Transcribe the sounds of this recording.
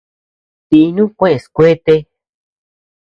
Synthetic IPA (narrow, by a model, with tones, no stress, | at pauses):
t̪i˧nũ˦kʷẽ˦ẽ˨˧skʷe˦t̪e˧